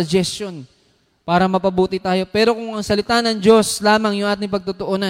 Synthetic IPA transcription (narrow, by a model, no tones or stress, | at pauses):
ɐd͡ʒɛsto̞n | paːɾɐmɐpɐbuːt̪ɪt̪aːjo̞pɛːɾo̞kʊŋɐŋsɐlɪt̪aːnɐŋd͡ʒo̞slaːmɐŋjʊŋʔaːt̪̬ɪŋpɐɡ̚t̪ʊt̪oʔoːnɐ